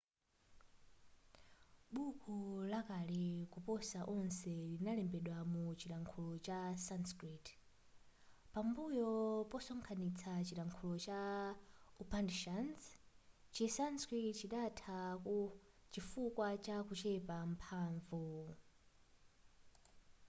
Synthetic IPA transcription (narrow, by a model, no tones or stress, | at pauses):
ɓukʰulakalɛkupɔsaʔɔnsɛlinalɛmbɛɗwamut͡ʃiɾaŋkʰulɔt͡ʃasanskɾit | pambujɔpɔsɔŋkʰanit͡sʰat͡ʃiɾaŋkʰulɔt͡ʃa | upandʃanzt͡ʃisanskɾitt͡ʃiɗatʰakut͡ʃifukwat͡ʃakut͡ʃɛpam̩pʰaːɱvu